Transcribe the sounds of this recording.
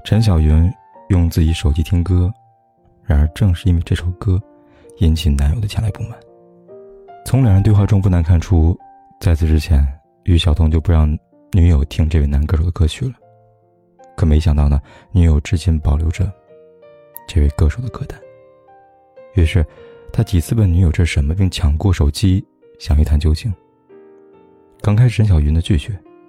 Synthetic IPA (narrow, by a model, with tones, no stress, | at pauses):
ʈ͡ʂʰə˧˥nɕ̬jɑ˨˩ʊɥy˧˥n | jʊ˥˧ŋt͡sɹ̩˥˩t͡ɕi˧˥ʂo˨˩ʊt͡ɕi˧˥˩t̪ʰi˥ŋkɤ˥ | ɻa˧˥nə˞˧˥ʈ͡ʂɤ˥˧ŋʂɻ̩˥˩˧i˥nwi˧ʈ͡ʂɤ˥˩ʂʰo˨˩ʊkɤ˥ | i˧˥nt͡ɕʰi˨˩na˧˥njo˨˩ʊd̪ə˦t͡ɕʰjɛ˥la˧˥ɪpu˥˩mə˨˩n | t͡sʰʊ˧˥ŋljɑ˨˩ŋɻnt̪wɪxwa˥˩ʈ͡ʂʊ˥ŋpu˥˩na˧˥nkʰa˥˩nʈ͡ʂʰu˥ | t͡sa˥˧ɪt͡sʰɹ̩˧˩ʈ͡ʂɻ̩˥t͡ɕʰjɛ˧˥n | y˧˥ɕjɑ˨˩ʊt̪ʰʊ˥ŋt͡ɕjo˥˩ʊpu˧˥ɻɑ˥˩ŋ | ny˧˥jo˨˩ʊt̪ʰi˥ŋʈ͡ʂɤ˥˧we˥˩ɪna˧˥nkɤ˥˩ʂo˨˩ʊd̪ə˦˥kʰɤ˥˧t͡ɕʰy˨˥˩lə˦ | kʰɤ˨˩me˧˥ɪɕjɑ˨˩ŋt̪ɑ˥˩ʊnə˩ | ny˧˥jo˨˩ʊʈ͡ʂɻ̩˥t͡ɕjɛ˥npɑ˨˩ʊljo˧˥ʊʈ͡ʂə˧ | ʈ͡ʂɤ˥˧we˥˧ɪkɤ˥˩ʂo˨˩ʊd̪ə˦kʰɤ˥˩t̪a˧˥˦n | y˧˩ʂɻ̩˥˧t̪ʰa˥t͡ɕi˨˩t͡sʰɹ̩˥˧pə˥˩ny˧˥jo˨˩ʊʈ͡ʂɤ˥˩ʂʂə˧˥nmə˧pi˥˩ŋt͡ɕʰjɑ˨˧˩ŋkwɔ˥˩ʂo˨˩ʊt͡ɕi˥ | ɕjɑ˨˩ŋy˥˩t̪ʰa˧˥nt͡ɕjo˥ʊt͡ɕʰi˥˩ŋ | kɑ˥ŋkʰa˥ɪʂʂə˧˥nɕjɑ˨˩ʊɥy˧˥nd̪ə˧t͡ɕy˥˩ɕɥɛ˧˥˦